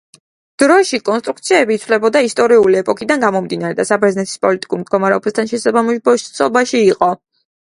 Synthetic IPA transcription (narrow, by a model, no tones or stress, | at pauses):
d̪̥ɾɔʃikʼɔnst̪ʼɾukt̪sʰiɛbit̪sʰvlɛbɔd̪aist̪ʼɔɾiuliɛpʼɔkʰʼid̪anɡamɔmd̪inaɾɛd̪asabɾɛznɛt̪ʰi̥spʼɔlit̪ʼi̥kʼuɾmd̪ɡɔmaɾɛɔbast̪ʰanʃɛsabamʃsʰɔbaʃiːqʼɔ